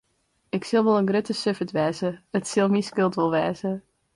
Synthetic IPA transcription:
ɪksɪlˠʋɔlˠənɡrøtəsøfətʋɛːzəətsɪlˠmiskɪlˠtʋɔlˠʋɛːzə

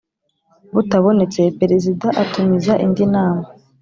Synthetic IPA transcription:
βutaβo̞ne̞t͡se̞pe̞ɾezidaʔatumizaʔindinaːma

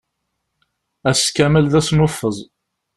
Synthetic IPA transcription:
æskæməlðæsnʊfːəzˤ

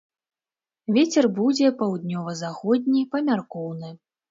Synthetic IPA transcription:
vʲet͡sʲɛrbud͡zʲɛpawd̪nʲɔvɐzaxɔd̪ʲnʲipɐmʲarkɔwnɨ

